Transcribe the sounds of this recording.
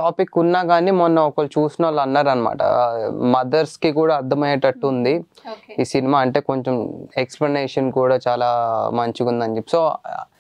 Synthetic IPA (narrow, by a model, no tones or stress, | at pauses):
ʈaːpikːunːaːɡaːniːmɔnːɐɔkɐlt͡ʃuːsinɐlːɐnːaːɾɐnɐma̰ːʈɐ̰mɐd̪ɐɾskikuːɽaːɐd̪ʱːɐmɐjʈɐʈːund̪i | iːsinimaːɐɳʈe̞ːko̞ɲt͡ʃemeksplɐneːʂɐnkuːɽaːt͡ʃaːlaːmɐɲt͡ʃiɡund̪ɐɲd͡ʒepːi̥so̞ː